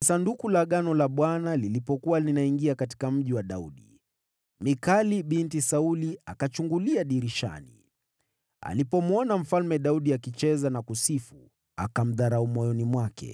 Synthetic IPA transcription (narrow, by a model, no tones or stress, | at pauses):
sandukulaɠanɔlaɓwanalilipɔkuwalinaiŋɡiakati̥kam̩ʄiwaɗaṵɗi | mikaliɓintisauliakat͡ʃuŋɡuliaɗiɾiʃa̰nḭ | a̰lipɔmɔnam̩falmɛɗauɗiakit͡ʃɛzanakusifu | a̰kam̩ðaɾaumɔjɔnimwakɛ̰